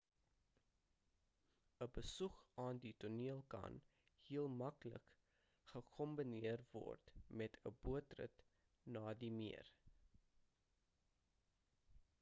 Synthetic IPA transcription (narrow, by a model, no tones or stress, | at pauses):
əbəsukʔɑːndituniəlˠkɐ̰n | hiəlˠmɐklə̰k | χəkʰɔmbiniərvɔ̰rtmɛtʰəbuətrə̰t | nɑːdimiər